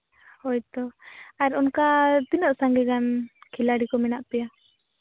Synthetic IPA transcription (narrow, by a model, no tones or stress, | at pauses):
hɔjt̪ɔaɾɔnkat̪inəʔsaŋɡɛɡankʰilaɽikɔmɛnaʔpɛja